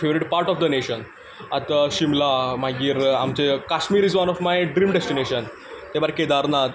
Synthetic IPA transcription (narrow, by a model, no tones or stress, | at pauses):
feʋɾiɖpaɾʈɔfd̪əneɕən | at̪aɕimlamaɡiːɾa̰mt͡ɕekaʃmiːɾizʋɐnɔfmajɖɾiːmɖesʈineɕən | t̪ebaɾked̪aɾna